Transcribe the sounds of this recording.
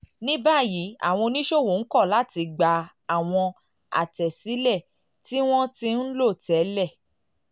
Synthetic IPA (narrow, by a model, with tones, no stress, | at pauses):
nĩ˦ba˦˨ji˨˦a̰˦˨w̃ɔ̃˧nĩ˦ʃo˦˨wo˨n̩˦kɔ˦˨la˨˦ti˧ɡ͡ba˧ | a˨w̃ɔ̃˧ | a̰˨tɛ˨si˨˦lɛ˦˨ | ti˦w̃ɔ̃˦ti˦n̩˦lo˦˨tɛ˨˦lɛ˦˨